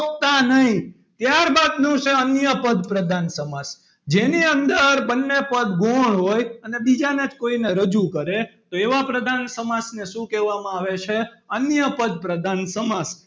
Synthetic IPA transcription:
əpt̪anəɦĩ | t̪jaɾbad̪nũt͡ʃʰeənjəpəd̪pɾəd̪ʱansəmas | d͡ʒeniənd̪əɾbənːepəd̪ɡoɭɦojənebid͡ʒanad͡ʒkoineɾəd͡ʒukəɾet̪oeʋapɾəd̪ʱansəmasneʃũkɛʋamãaʋet͡ʃʰeənjəpəd̪̚pɾəd̪ʱansəmas

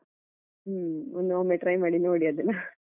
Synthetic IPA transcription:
ond̪oːmeʈɾɐjmaːɽinoːɽijɐd̪ɯna

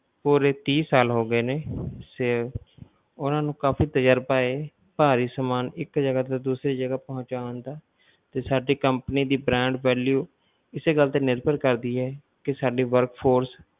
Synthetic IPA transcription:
puːɾeːt̪iːsaːlɦoːɡəeːneːse | ʊnãːnũːkaːfiːt̪əjəɾpaːeː | paːɾiːsəmaːnɪkd͡ʒəɡaːt̪aːd̪uːsɾiːd͡ʒəɡaːpɔɦnt͡ʃaːə̃nd̪aː | t̪eːsaːɖiːkəmpniːd̪iːbɾɛ̃ːɳɖʋɛːljuː | ɪseːɡəlt̪eːnɪɾbəɾkəɾd̪iːɦɛː | kɪsaːɖiːʋəɾkpʰoːɾs

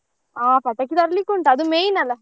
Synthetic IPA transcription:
aːpɛʈːɐkːid̪ɐɾlikuɳʈɐd̪umeːjnɐlɐ

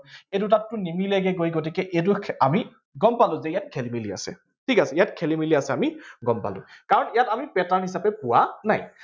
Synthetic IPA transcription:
et̬ʊt̬atːʊnimilɛɡɛɡojɡot̬ikɛʔet̬uami | ɡɔmpalʊ̃zɛijat̚kʰelimilia̰sɛ̰ | tʰikasɛijatkʰelimiliasɛamiɡɔmpa̰lʊ̰̃kaɹɔnijatamipɛtanhisapɛpʊwana̰j

